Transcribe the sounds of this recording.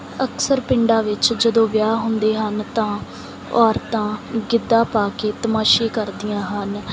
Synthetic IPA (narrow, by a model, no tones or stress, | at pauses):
əksəɾpɪɳɖaːʋɪt͡ʃd͡ʒəd̪õːʋjaːɦʊnd̪eːɦənt̪ãː | ɔːɾt̪ãːɡɪd̪ːaːpaːkeːt̪əmaːʃeːkəɾd̪ijãːɦən